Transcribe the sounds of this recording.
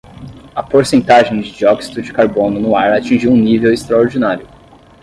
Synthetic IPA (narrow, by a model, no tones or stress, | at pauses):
ɐpoɾsẽnt̪aʒẽj̃d͡ʒɪd͡ʒiɔksi̥d̪ʊd͡ʒɪkaɾbõnʊnʊaɾat͡ʃĩʒiwũnivewɪst̪ɾaoɾd͡ʒinaɾjʊ